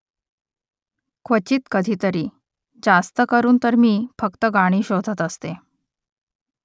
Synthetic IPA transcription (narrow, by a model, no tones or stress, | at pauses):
kʰʋət͡ɕiːt̪kəd̪ʱiːt̪əɾiː | d͡zast̪əkəɾuːnt̪əɾmiːfəkt̪əɡaɽ̃iːɕod̪ʱət̪əst̪e